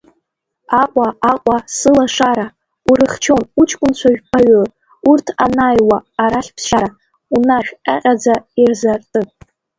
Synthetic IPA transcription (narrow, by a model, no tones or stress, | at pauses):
aqʷʼaaqʷʼasɨlaʂaɾa | uɾɨχt͡ʃʰo̞nut͡ʃʰkʷʼʊnt͡ɕʷʰaʒᶣpʰaɥor | urtʰanajwaːɾaɬʲpʰsʃaɾa | unaχʲᶣʼaqʲʼad͡zairzartʼɨ